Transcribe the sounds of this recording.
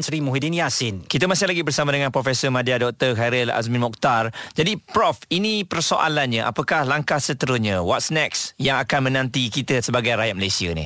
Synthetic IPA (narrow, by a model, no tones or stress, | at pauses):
nsɾimuɦidinjasɪnkit̪əmasɪhlaɡibərsamadəŋãnpɾofɛsəmadiadɔk̚t̪ərɦaɾəla̰s̬mɪ̃nmɔk̚t̪ard͡ʒadipɾɔfinipərsoʔa̰lanɲə̃ʔa̰pakahlaŋkahsət̪əɾusɲə̃wɔt̪̚snɛk̚sjaŋakanmə̃nãnt̪ikit̪əsəbaɡajrajat̪̚məlajsianḭh